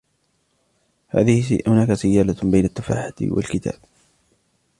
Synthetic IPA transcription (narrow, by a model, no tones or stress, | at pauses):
ha̰ːðɪhhʊnaːkasajːaːlabajnat̪ːafa̰ːħat̪wa̰lkɪt̪ʰa̰ːb̚